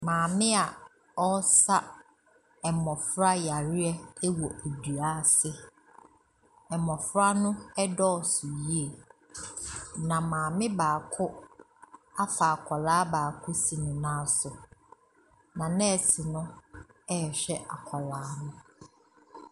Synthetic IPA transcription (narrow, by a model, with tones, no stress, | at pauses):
mãː˨mɪ̃˦a˨ | ɔ˦sa˦ | ɛ˨mɔ˨fɾa˦ja˨ɾɪ˦ɛ˦wɔ˨ʔæ˨du˨a˦sɪ˦ | ɛ˨mɔ̃˨fɾa˦nʊ̃˦ɛ˦dɔ˦ɔ˨sʊ˨ji˦e˨ | nã˨mãː˨mɪ̃˦baː˨kʰʊ˦ | a˦fa˨a˨kʰɔ˨laː˨˦baː˨kʰʊ˦si˨nʊ̃˨nãː˦sʊ˨ | nã˨nɛ̃˦˨si˨nʊ̃˦ɛ˦˨ɕᶣɛ˦a˨kʰɔ˨laː˨˦nʊ̃˦